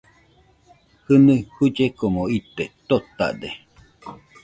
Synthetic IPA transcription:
hɨnɨhud͡ʒekomoit̪et̪ot̪a̰d̪e

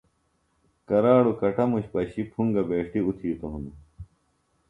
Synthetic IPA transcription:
kɐɾaːɽukɐʈɐmuɕpɐɕipʰuŋɡɐbeːʈiut̪ʰiːt̪oɦũnd̪u

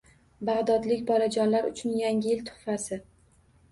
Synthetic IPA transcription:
baʁd̪ɒd̪lɪkʲbɒlad͡ʒɒnlaɾʊ̰t͡ʃʰʊnjaŋʲɪjɪlt̪ʰʊ̥χfasɪ

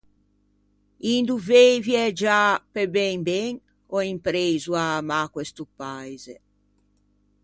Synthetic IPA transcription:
ind̪uveviɛd͡ʒapebɛŋbɛŋ | ɔimpɾejzuamakwɛst̪upajzḛ

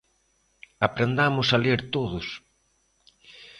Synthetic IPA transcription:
apɾend̪amʊsaleɾt̪oðʊs

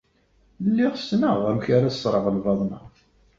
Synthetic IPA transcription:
lːiʁsnəʁæmçaɾḁsˤɾˤəʁəlvɑðˤnɑ̰

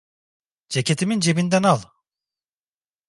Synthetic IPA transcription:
d͡ʒecʰet̪ʰimind͡ʒe̞bind̪ænalˠ

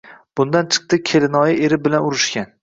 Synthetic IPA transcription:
b̥ʊnd̪ant͡ʃʰɨ̥q̚t̪ɨkʲʰelɪnɒjɪʔeɾɪbɪlanʊɾɪʃkʲan

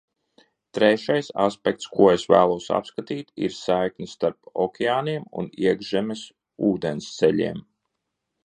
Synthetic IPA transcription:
t̪ɾɛʃajsa̰spɛk̚t̪skuɔesvæ̰ːlˠuɔsa̰pskat̪iːt̪ḭɾsajknʲist̪aɾpɔ̰kʲʰɛaːniɛmṵniɛɡʒɛmes | uːd̪enst̪sɛʎʲḭɛm

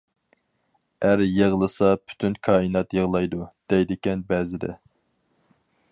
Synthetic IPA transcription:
æɾjəʁlˠɨsɑpʰy̥t̪ʰynkʰɑːinɑt̪jəʁlˠɑjd̪ud̪̥ɛjd̪ɪkʲɛnbɛːzɪd̪ɛ̰

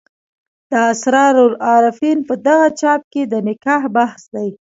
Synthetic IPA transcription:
d̪̥əasɾɑɾoɾɑɾɪfinpəd̪aɣat͡ʃɑp̚ked̪ənɪkɑhbahsd̪aj

